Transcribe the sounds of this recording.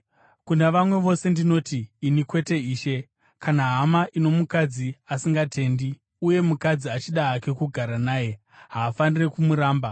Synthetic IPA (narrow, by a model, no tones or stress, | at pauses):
kunaʋamwe̞ʋo̞se̞ndino̞tiːnikwe̞te̞iːʃe̞ | kanaɦamaʔino̞mukad͡ziasiŋɡate̞ndi | uje̞mukad͡ziat͡ʃiɗaːke̞kuɡʱaɾanaːje̞ | ɦaːfanire̞kumuɾaːmba